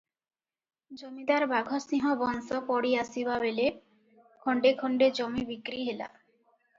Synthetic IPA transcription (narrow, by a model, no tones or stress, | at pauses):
d͡ʑomid̪aɾbaɡʱɔsĩɦɔbɔnsɔpɔɽiasibaβele | kʰɔɳɖekʰɔɳɖed͡ʑomibikɾiɦela̰